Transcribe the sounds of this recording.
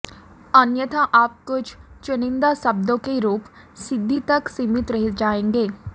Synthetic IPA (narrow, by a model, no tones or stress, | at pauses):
ənjət̪ãːʔaːp̚kʊd͡ʒt͡ʃʊnɪ̃nd̪aːsəb̚d̪õːkeɾuːp | sɪd̪ʱːiːt̪əksimɪt̪ɾəɦɪd͡ʒaːẽːŋɡeː